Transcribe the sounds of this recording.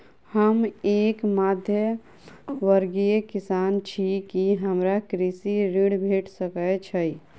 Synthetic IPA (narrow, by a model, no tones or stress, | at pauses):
həmeːkmaːd̪ʱjə | ʋəɾɡijekisaːnt͡ʃʰikiɦəmɾakɾisiɾiɽbʱeʈʰsəkət͡ʃʰəj